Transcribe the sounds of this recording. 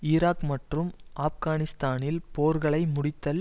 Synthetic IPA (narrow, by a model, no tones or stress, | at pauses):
ɪːɾaːkmɐʈrɯmʔaːfɣaːnɪst̪aːnɪlpoːɾɣɐɭɐɪmʊɽɪt̪ːɐl